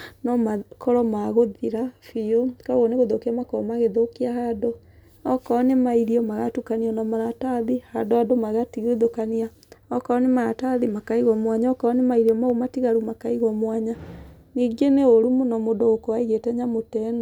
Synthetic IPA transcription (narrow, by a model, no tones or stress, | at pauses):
nɔmakɔɾɔmaɣoðiɾafiokaɣɔneɣoðokeamakɔɔmaɣeðokiahado | ɔkɔnemaiɾiɔmaɣatukaniɔnɔmaɾataðihadoadomaɣatiɣoðokania | ɔkɔɔnemaɾataðimakaiɣɔmwaɲaɔkɔɔnemaiɾiɔmaumatiɣaɾumakaiɣɔmwaɲa | niːɡeneoɾumonɔmodoɣokɔwaiɣetɛɲamotɛn